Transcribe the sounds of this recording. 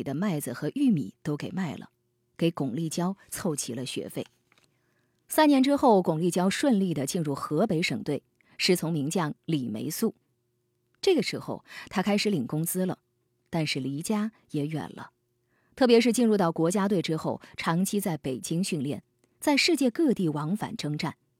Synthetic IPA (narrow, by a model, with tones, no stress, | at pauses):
d̪ə˦ma˥˩ɪd͡zɹ̩˩xɤ˧˥ʔy˥˩mḭ˨˩t̪o˥ʊke˨˩ɪma˥˩ɪlə̰˩ | ke˧˥ɪkʊ˨˩ŋli˥˩t͡ɕjɑ˥ʊt͡sʰo˥˩ʊt͡ɕʰi˧˥lə˧ɕɥɛ̰˧˥fe˥˩ɪ | sa˥njɛ˧˥nʈ͡ʂɻ̩˥xo˥˩ʊkʊ˨˩ŋli˥˩t͡ɕjɑ˥ʊʂwə˥˧nli˥˩d̪ə˩t͡ɕi˥˧nɻu˥˩xɤ˧˥pe˧˥ɪʂɤ˨˩ŋt̪we˥˩ɪ | ʂɻ̩˧˥˩t͡sʰʊ˧˥ŋmi˧˥ŋt͡ɕjɑ˥˩ŋli˨˩mḛ˧˥ɪsu˥˩ | ʈ͡ʂɤ˥˩ɡə˩ʂɻ̩˧˥xo˥˧ʊt̪ʰa˥kʰa˥ɪʂɻ̩˧˥li˨˩ŋkʊ˥ŋt͡sɹ̩˥lə̰˨ | t̪a˥˧nʂɻ̩˥˩li˧˥t͡ɕja˥ | jɛ˧˥ɥɛ̰˨˩nlə̰˦ | t̪ʰɤ˥˩p̬jɛ˧˥ʂɻ̩˥˧t͡ɕi˥˧nɻu˥˧t̪ɑ˥˩ʊkwɔ˧˥t͡ɕja˥t̪we˥˩ɪʈ͡ʂɻ̩˥xo˥˩ʊʈ͡ʂʰɑ˧˥ŋt͡ɕʰi˥t͡sa˥˩ɪpe˨˩ɪt͡ɕi˥ŋɕy˥˧nljɛ˥˩n | t͡sa˥˧ɪʂɻ̩˥˧t͡ɕjɛ˥˧kɤ˥˧t̪i˥˩wɑ˧˥ŋfa̰˨˩nʈ͡ʂɤ˥ŋʈ͡ʂa˥˩n